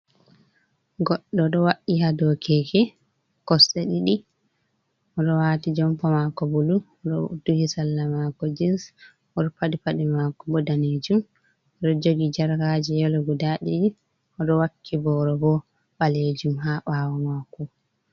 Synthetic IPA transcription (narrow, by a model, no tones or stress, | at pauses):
ɡɔɗːɔɗɔwaʔːiɦadɔkʰɛɡɛ | kɔsɛɗiɗi | ʔɔɗɔwatid͡ʒɔmpɔmakɔbuluɔɗɔd̥uhisalːamakɔd͡ʒins | ɔɗɔpaɗipaɗimakɔbɔdaned͡ʒum | ɔɗɔd͡ʒoɡid͡ʒaɾhad͡ʒɛjɔlɔɡudaɗiɗi | ɔɗɔwakʰːibɔɾɔbɔ | ɓaled͡ʒumɦaɓawamaku